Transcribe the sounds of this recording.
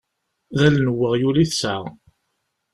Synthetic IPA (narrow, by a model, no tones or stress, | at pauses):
ðælnəwːəʁjuliθsəʁ